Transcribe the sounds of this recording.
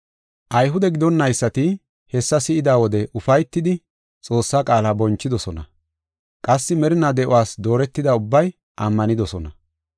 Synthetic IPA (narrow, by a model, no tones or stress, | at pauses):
ʔɐjɦʊd̪ɛɡɪd̪ɔnːɐjsːɐt̪ɪ | hɛsːɐsɪʔɪd̪aːwɔd̪ɛʔʊfɐjt̪ːɪd̪ɪ | t͡sʼo̞ːsːaːkʼaːlaːbɔnt͡ʃːɪd̪ɔsɔnɐ̰ | kʼɐsːɪmɛɾɪnad̪ɛʔʊwaːsd̪o̞ːɾɛt̪ːɪd̪ɐʊbːɐj | ʔɐmːɐnɪd̪ɔsɔnɐ